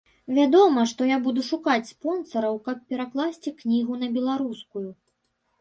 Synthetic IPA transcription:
vʲad̪ɔmɐʂt̪ɔjabud̪uʂukat͡sʲspɔnsɐɾɐwkɐp̚ːʲɛɾaklˠasʲt͡sʲiknʲiɣunɐbʲɛlˠaɾuskuju

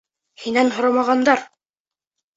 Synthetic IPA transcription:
hinænɦŏɾɑmɑʁɑnd̪ɑɾ

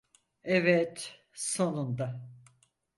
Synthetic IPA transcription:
ɛvɛt̪ | so̞nund̪a

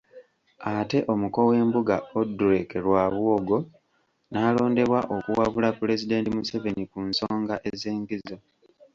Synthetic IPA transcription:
ate̞ʔo̞muko̞we̞ːmbuɡaoduɾekeɾwaːβwoɡo̞ | naːlo̞ːnde̞βwaʔo̞kuwaβulapule̞zide̞ːntimuseve̞nikunso̞ːŋɡaʔe̞ze̞ːŋɡizo̞

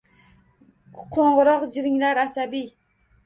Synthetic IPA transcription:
qʰoɴʁʊɾɒqd͡ʒɪɾɪŋlaɾasabij

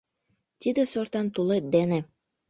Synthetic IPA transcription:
t̪ʲid̪ĕsort̪ɑnt̪ulet̪̚d̪ene

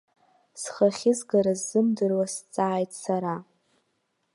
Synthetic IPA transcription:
sχaχʲɪzɡaɾazːɨmdɨrwast͡sʼaːjtʼsaɾa

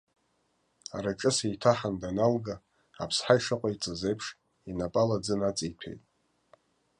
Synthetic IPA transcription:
aɾaʈ͡ʂʼɨsejtʰaħandanalɡa | apʰsħajʂaqʷʼait͡sʼɨzejpʰʂ | inapʼalad͡zɨnat͡sʼijtʰḛjtʼ

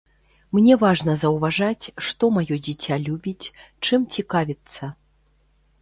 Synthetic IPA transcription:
mnʲɛvaʐnɐzɐwvaʐat͡sʲʂt̪ɔmajɔd͡zʲit͡sʲalʲubʲit͡sʲ | t͡ʂɨmt͡sʲikavʲit̪sːɐ

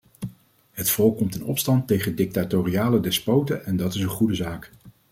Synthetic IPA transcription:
ɦətfɔlˠkːɔmtɪnɔpstɑntejχəndɪk̚tatoriaːlədɛspowtəʔɛndɑtɪsənχudəzaːk

